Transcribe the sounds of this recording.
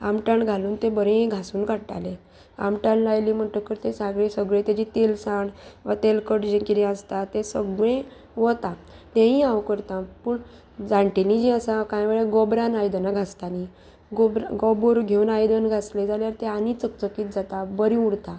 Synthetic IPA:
a̰mʈaɳɡʱaluːnt̪ebəɾẽɡʱasuːnkaʈa̰le | a̰mʈanlajliːm̤əɳʈ̪əkəɾt̪esaɡɭẽsəɡɭẽt̪jad͡ʑit̪elsãɳʋat̪elkəʈd͡ʑẽkid̪iast̪at̪esəɡɭẽ | ʋɔt̪at̪ẽɦĩawkəɾt̪ãpəːɳ | d͡zaɳʈenid͡ʑĩəsãkajʋeɭjeɡɔbɾanajd̪ənaɡʱast̪ani | ɡobɾaɡɔboɾɡʱeunajd̪ənɡʱasled͡zaljaɾt̪eanit͡sək̚t͡səkiːt̪̚d͡zat̪abəɾĩuɽt̪a

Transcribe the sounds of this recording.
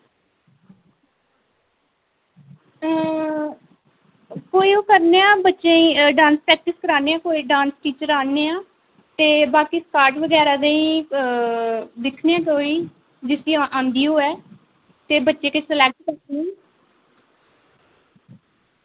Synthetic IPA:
koːiːoːkəɾneːãːbətːʃẽiɖãːnspɾɛːk̚ʈɪskəɾaːneːãːkoːiːɖãːnsʈiːt͡ʃəɾaːneːãː | t̪eːbaːkiːskaːɾʈʋəɡɛːɾaːd̪eĩː | d̪ɪkʰneːãːt̪oːiː | d͡ʒɪsiaʔãːnd̪iːoːɛː | t̪eːbətːʃeːkesəlɛːk̚ʈkəɾtnẽː

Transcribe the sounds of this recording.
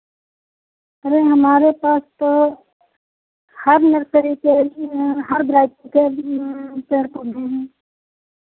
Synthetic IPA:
ɐɾeɦɐmaːɾepaːst̪o | hɐɾnɐɾsəɾikeɦɐɾd̪ɾaːjt̪õke | peːɾpʊɾʱẽɦɛ̃ː

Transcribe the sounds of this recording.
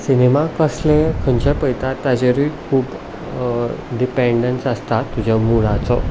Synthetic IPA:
sinemakəslẽkʰəɲt͡ɕepəjt̪at̪ad͡ʑeɾikʰuːb | ɖipeɳɖəɳsəst̪at̪ːud͡ʑʱamuɽat͡sɔ̰

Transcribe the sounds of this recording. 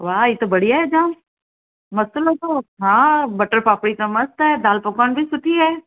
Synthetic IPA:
ʋaːɦjit̪obɐɽijaɦɛd͡ʒãːn | mɐst̪olɦot̪oɦãːbɐʈəɾpaːpɽikamɐst̪ɦɛːd̪aːlpʊkənbʱisʊʈʰiɦɛː

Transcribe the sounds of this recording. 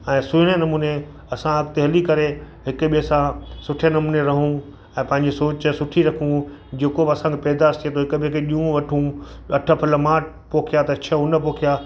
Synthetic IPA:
ɛ̃ːsʊɽ̃enɐmuːne | ɐsãɐɡt̪eɦɐlikɐɾe | ɦɪkʊɓiɦəsãsʊʈʰenɐmuːneɾɐɦũ | ɛ̃ːpɐ̃ɦɪ̃ɲ̆d͡ʑesoːt͡ɕsʊʈʰiɾɐkʰũ | d͡ʑeːkobɪɐsãːkʰepɛːd̪ast̪ʰiet̪ʰoɦɪkɓikeɗiũʋɐʈʰũ | ɐʈʰəpʰɐləmaːʈ | poːkʰijat̪ɐt͡ɕʰɐʊnəpoːkʰija

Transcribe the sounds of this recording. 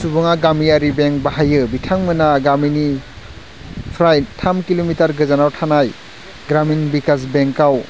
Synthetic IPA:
subɯŋaɡamijaɾibeŋbaɦajɯbitʰaŋmɯnaɡamini | pʰɾajtʰamkilomitaɾɡɯzanawtʰanaj | ɡɾaminbikasbeŋkaw

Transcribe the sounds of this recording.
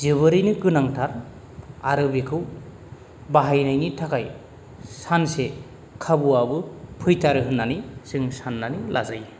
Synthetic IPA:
zɯβɯɾɯjnɯkɯnaŋtʰaɾ | aɾɯbikʰɯw | baɦajnajnitʰakaj | sanse | kʰabuabɯpʰɯjtʰaɾɯɦɯnːanisɯŋsanːanilʔa̰zaj

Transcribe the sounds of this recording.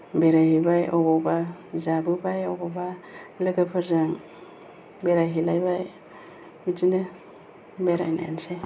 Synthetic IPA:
beɾajhibajɔbɔbazabɯbajɔbɔbalɯɡɯpʰaɾzaŋ | beɾajɦilajbaj | bizine | beɾa̰jna̰ja̰nse

